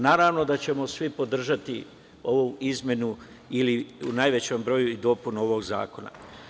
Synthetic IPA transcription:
naːɾaːʋno̞d̪at͡ɕe̞mo̞sʋipo̞d̪r̩ʒat̪i | o̞ʋuizmje̞nu | iliunajʋe̞t͡ɕombɾo̞juid̪o̞punuo̞ʋoɡza̰ːko̞na̰

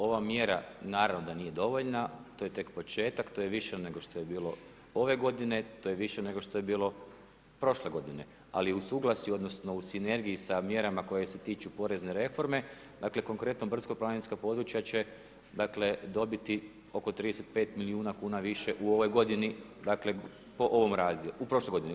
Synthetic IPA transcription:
o̞ʋamje̞ɾanaːɾaʋnod̪aniːje̞d̪o̞ʋo̞ʎnat̪ojet̪e̞kpo̞t͡ʃe̞ːt̪akt̪ojeʋiʃene̞ɡo̞ʃt̪o̞je̞biːlo̞ | o̞ʋe̞ɡo̞d̪ine̞t̪o̞ːjeʋiʃene̞ɡo̞ʃt̪ojebiːlˠo̞ | pɾo̞ʃle̞ɡo̞d̪ine̞ | a̰liusuːɡlˠasio̞d̪no̞sno̞usine̞ɾɡijisamje̞ɾamako̞jese̞t̪iːt͡ʃupo̞ɾe̞zne̞ɾe̞fo̞ɾme̞ | d̪akle̞ko̞ŋkɾe̞t̪nobr̩t̪skoplˠaːnenskapo̞d̪ɾut͡ʃjat͡ʃe̞ | d̪aːkle̞d̪o̞bit̪i | o̞kot̪ɾid̪eset̪pe̞ːt̪miliuːnakuːnaʋiʃe̞ʔuo̞ʋo̞jɡo̞d̪ini | d̪akle̞ | po̞ʔo̞ʋo̞mɾaːzd̪jeuupɾo̞ʃlejɡo̞d̪ini

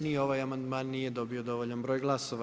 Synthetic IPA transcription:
nio̞ʋajamand̪maːnːijed̪o̞bio̞d̪o̞ʋoʎanbɾo̞ːjɡlˠasoʋa

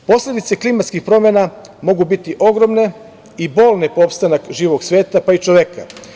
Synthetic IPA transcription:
po̞sle̞d̪it̪se̞klimat̪skixpɾo̞menamo̞ɡubit̪iʔo̞ɡɾo̞mne̞ | ibo̞ːlˠnepoopst̪anakʒiːʋoɡsʋe̞ːt̪apait͡ʃoʋeka̰

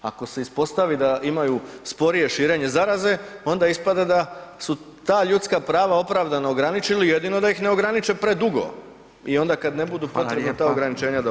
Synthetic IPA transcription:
a̰ko̞se̞ispo̞st̪aʋid̪aʔimajuspo̞ɾije̞ʃiːɾe̞ɲe̞zaɾaze̞o̞nd̪aispad̪ad̪asu | t̪aːʎut̪skapɾaːʋao̞pɾaʋd̪anaoɡɾanit͡ʃilije̞d̪ino̞d̪ajixne̞oɡɾanit͡ʃe̞pɾe̞d̪uɡo̞̰ | io̞nd̪akad̪ne̞bud̪upo̞t̪ɾebnat̪aːoɡɾanit͡ʃe̞ːɲad̪a

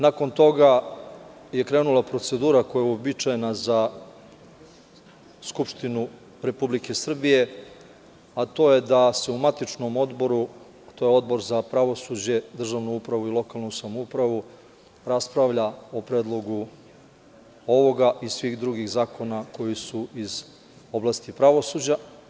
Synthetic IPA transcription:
nako̞nt̪o̞ɡa | je̞kɾe̞ːnulˠapɾo̞t̪se̞d̪uːɾako̞jaobit͡ʃajenaza | skupʃt̪inu | ɾe̞publike̞sr̩bije̞ | at̪o̞ːje̞d̪ase̞umat̪it͡ʃno̞mo̞d̪bo̞ɾu | t̪o̞jeo̞d̪bo̞ɾzapɾaʋo̞sud͡ʑe̞d̪r̩ʒaʋnuupɾaʋuilˠo̞kalˠnusamoupɾaʋu | ɾaspɾaʋʎao̞pɾe̞ːd̪lˠo̞ɡu | o̞ʋo̞ɡaʔisʋixd̪ɾuɡixzaːko̞nako̞jisuiz̥ | o̞blˠast̪ipɾaʋo̞suːd͡ʑa

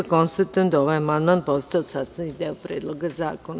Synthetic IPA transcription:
konsst̪at̪ujend̪aoʋajamand̪mãn̚post̪aosast̪anikd̪eːopɾeːd̪lˠoɡaza̰ːkon

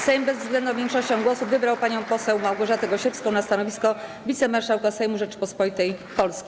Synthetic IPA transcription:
sɛjmbɛzvzɡlɛnd̪ɔ̃mvʲjɛŋkʂɔɕt͡ɕɔ̃w̃ɡwɔsuvɘbɾawpaɲɔ̃w̃pɔsɛwmawɡɔʐat̪ɛɡɔɕɛfskɔ̃w̃nast̪anɔvʲiskɔvʲit̪sɛmaɾʂawkasɛjmuʐɛt͡ʂpɔspɔit̪ɛjpɔlskʲi̥

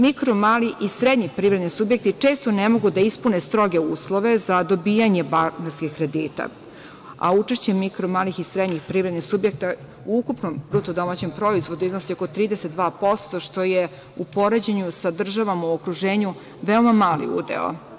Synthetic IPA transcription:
mikɾomaːliʔisɾed̪ɲipɾivɾed̪nisubjek̚t̪it͡ʂe̞ːst̪o̞nemo̞ɡud̪aispunest̪ɾo̞ɡe̞uːslˠo̞ʋe̞zad̪o̞biːjaɲe̞banaɾskʲikɾe̞d̪iːt̪a̰ | a̰ut͡ʂeʃt͡ɕemikɾomaːlixisɾed̪ɲixpɾiːvɾed̪nisubjek̚t̪a | uukupnombɾut̪od̪o̞mat͡ɕe̞mpɾo̞izʋo̞d̪uiznosio̞ko̞t̪ɾiːd̪eset̪̚d̪ʋaːpo̞st̪o̞ʃt̪o̞je | upo̞ɾed͡ʑeɲusad̪r̩ʒaʋamauokɾuʒeːɲu | ʋeomamaːlḭṵːd̪ḛo̰

